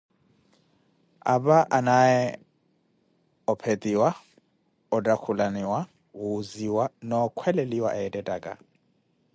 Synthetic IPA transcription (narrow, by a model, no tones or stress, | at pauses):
a̰baʔanaɛ | ɔpʰetʼiwa | ɔtʼakʰulaniwa | ɣuziwanɔkʰwɛleliwaʔaɛtʼɛtʼaːkʼa̰